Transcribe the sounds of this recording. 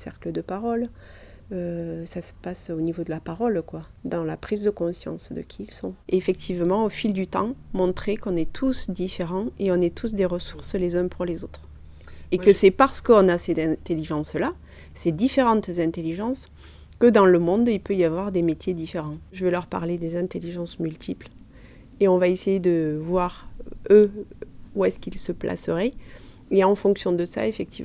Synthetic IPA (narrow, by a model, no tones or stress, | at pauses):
sɛ̰ʁkləd̪əpaʁɔl | øsasə̥pasonivod̪əlapaʁɔlkwad̪ɑ̃lapχizd̪əkɔ̃sjɑ̰̃sd̪ə̰kʲʰiilsɔ̰̃eefɛk̚t̪ʰivmɑ̃ofild̪yt̪ɑ̰̃mɔ̃t̪χekɔ̃nɛt̪ʰusd̪ifeʁɑ̃eɔ̃nɛt̪ʰus̬d̪eʁəsuʁslezɛ̃puʁlezot̪χ | ekəsɛpaʁsə̥kəɔ̃nasezɛ̃t̪eliʒɑ̃sla | sed̪ifeʁɑ̃t̪zɛ̃t̪eliʒɑ̃s | kəd̪ɑ̃ləmɔ̃d̪ilpøjavwaʁd̪emet̪ʰjed̪ifeʁɑ̃ʒəvelœʁpa̰ʁled̪ezɛ̃t̪eliʒɑ̃smylt̪ʰipl | eɔ̃vaesejed̪əvwaʁø | uɛskilsəplʔa̰səʁɛ | eɑ̃fɔ̃ŋksjɔ̃d̪əsa̰efɛk̚t̪iv